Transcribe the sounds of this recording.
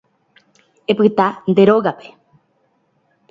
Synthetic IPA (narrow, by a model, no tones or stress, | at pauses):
epɨt̪and̪eɾoɣape̥